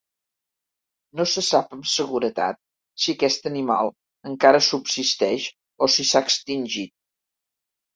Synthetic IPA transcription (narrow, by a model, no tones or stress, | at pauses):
nosəsapəmsəɣuɾət̪a̰t̪̚ | siəkɛst̪ənima̰lˠ | əŋkaɾəsubsist̪ɛʃ | osisaəkst̪inʲʒit̪̚